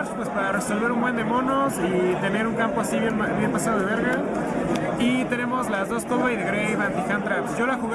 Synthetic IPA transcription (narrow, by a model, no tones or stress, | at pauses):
ɾspwe̞spaɾare̞so̞lβe̞ɾumbwe̞nd̪e̞mo̞nosit̪e̞ne̞ɾuŋkampo̞asiβenbje̞npasað̞o̞ð̞eβeɾɣa | it̪e̞ne̞mo̞zlazðo̞skoβajðeɣɾejβant̪ixant̪ɾapsɟ͡ʝo̞laxuɣ